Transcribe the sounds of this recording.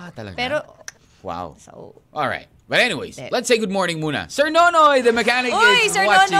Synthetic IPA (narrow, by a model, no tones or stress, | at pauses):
t̪ɐlɐ̰ɡpɛɾo | wa̰ʊso̰ | ʔɔ̰lˠɹa̰ɪt̚b̥ʌɾɛniwḛɪz̥lɛtseɪɡʊd̚mɔɹnɪ̃ŋmunɐ̰sə˞nonɔjðəmɛkænɪkewa